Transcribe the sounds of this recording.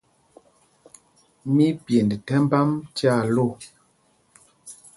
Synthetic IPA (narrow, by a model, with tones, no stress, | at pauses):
mi˦pje˨ndtɛ˦m˦ba˦mt͡ʃja˦˨lo˦˨